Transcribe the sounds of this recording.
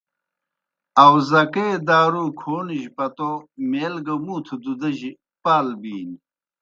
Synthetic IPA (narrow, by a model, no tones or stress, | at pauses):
ɐwzɐkeːd̪aːɾukʰoːniʑpɐt̪omeːlɡɐmuːt̪ʰud̪ud̪ɐʑi | paːlbiːn